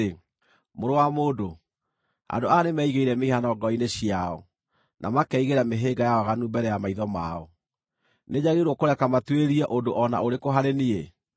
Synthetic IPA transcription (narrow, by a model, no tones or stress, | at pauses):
e | moɾowamoːdo | a̰ndoanemɛiɣeiɾɛmeiɦanɔɡɔineɕiaɔ | nʔamakɛiɣeɾameɦeɡajaɔɣanumbɛɾɛjamaiðɔmaɔ | neɲaɣeɾwɔkoɾɛkamatweɾiɛʔodoʔɔna̰oɾekoɦaɾenie